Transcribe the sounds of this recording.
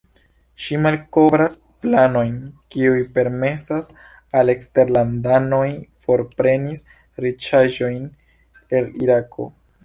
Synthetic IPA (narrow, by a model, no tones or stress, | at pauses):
ʃimalko̞vɾas | plano̞jnkiujpe̞ɾme̞sas | ale̞kste̞ɾlandano̞jfo̞ɾpɾe̞nis | ɾit͡ʃaʒo̞jn | e̞liɾako̞̰